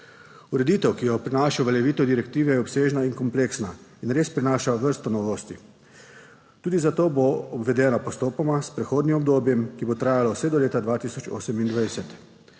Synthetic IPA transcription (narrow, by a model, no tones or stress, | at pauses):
uɾɛd̪it̪ɛwkijɔpɾinaːʃaʋɛljɛʋiːt̪ɔd̪iɾɛkt̪iːʋɛjɛɔpseːʒnainkɔmpleːksnainɾeːspɾinaːʃaʋəɾst̪ɔnɔʋoːst̪i | t̪uːd̪izat̪oːboɔbʋɛd̪ɛːnapɔst̪oːpɔmaspɾɛxoːd̪nimɔbd̪oːbjɛmkibot̪ɾaːjalɔwsɛd̪ɔleːt̪ad̪ʋaːt̪iːsɔt͡ʃo̰ːsɛmind̪ʋajsɛt̪